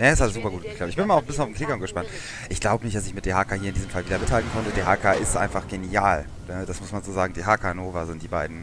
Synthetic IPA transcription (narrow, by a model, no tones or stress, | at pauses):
naɛsalszuːpɐɡuːt̚ɡ̥əkʰlaptɪçb̥ɪnmalʊfmbɪsjnaʊfm̩kʰlɪkaʊmɡəʃpant | ʔɪçɡ̥laʊbənɪçtd̥as̬ɪçmɪtd̥eːɦaːkahiːɐɪndizmfalviːdɐmɪthaltn̩kʰɔntədeːɐɦaːkaʔɪstʔa̰ɪnfaχɡ̥eniaːl | nəd̥asmʊsmanzoːzaːɡŋ̩diːɦaːkanoːvɐzɪntd̥iːbaɪdn̩